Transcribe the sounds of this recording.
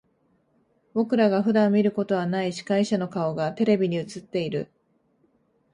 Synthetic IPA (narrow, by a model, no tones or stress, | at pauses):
bo̞kɯ̟ɾaɡaɸɯ̟d̪ãmːʲiɾɯ̟ko̞t̪o̞β̞anaiɕi̥kaiɕano̞kao̞ɡat̪e̞ɾe̞bʲiɲ̟iɯ̟t͡sɨt̪ːe̞iɾɯ̟̰